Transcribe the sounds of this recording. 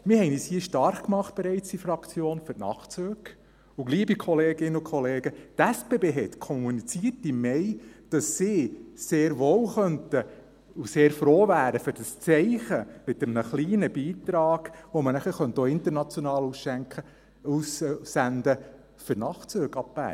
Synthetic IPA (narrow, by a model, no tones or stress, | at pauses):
mɪhɛɪniːshiːəʃtɑɾχkmɑχt̚b̥ɛɾɛɪt͡sd̥ifɾɑkt͡sjoːnfʏɾtnɑ̰χt͡søːɡ | uɡliːbikʰɔleːɡɪnəʊkχɔleːɡət̪æspeːbeːɦɛt̪kʰɔmunit͡siːərtimːɛɪd̥ɑsːɪseːɾʋoːlχœntə | useːɾfɾoːvæːɾəføɾd̥ɑst͡sɛɪχəmɪtəmnəχliːnəbiːtɾɑːɡ̥ʋɔmənæχəχœnt̪oɪnt̪əɾnɑt͡sjɔnɑːlusʃæŋkχə | ussændə | fʏɾnɑχt͡søːɡɑpːæ̰ː